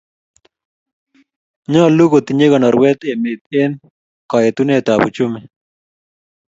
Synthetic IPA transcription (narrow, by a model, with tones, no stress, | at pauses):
ɲɔ˦lu˦ɡo˨t̪i˨ɲe˦ɡɔ˨nɔ˨ɾwɛ˦t̪e˨me˨t̪̚e˦n | kɔ˨jet̪u˦ne˦t̪a˨bṵt͡ʃʊ˦me